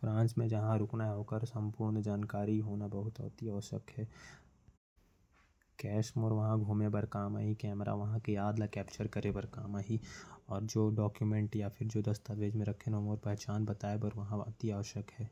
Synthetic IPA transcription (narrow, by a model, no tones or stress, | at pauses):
fɾãːnsmẽd͡ʒɐɦãɾʊknaɦɛɦoːkəɾsɐ̃mpʊɾnd͡ʒaːnkaːɾiɦoːnabɐɦʊt̪ɔ̰t̪iaːʃə̰kɦɛː | kɛːʃmɔːɾʋɐɦãɡʱuːmebɐɾkaːma̰ːɦikɛːmɾa̰ʋɐɦãkeaːd̪lakɛːp̚t͡ʃəɾkɐɾebɐɾkaːmaːɦiɔːɾd͡ʒoːɖɔːkjumẽɳʈjapʰɪɾd͡ʒoːd̪ɐst̪aʋeːd͡ʒmẽɾɐkʰenɦomoːɾpɛɦt͡ʃaːnbɐt̪aːebɐəɾʋɐɦãɐ̰t̪iaːʋəʃəkɦɛː